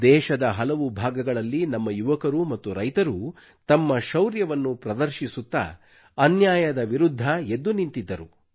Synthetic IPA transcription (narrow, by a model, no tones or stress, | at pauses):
d̪ɛːʃɐd̪ɐɦɐlɐʋubʱaːɡɐɡɐɭɐlːinɐmːɐjuʋɐkɐɾumɐt̪ːuɾɐjt̪ɐɾu | t̪ɐmːɐʃɐwɾjɐʋɐnːupɾɐd̪ɐɾʃisut̪ːɐ̰ | ɐnjaːjɐd̪ɐʋiɾud̪ʱːɐe̞d̪ːunint̪id̪ːɐɾu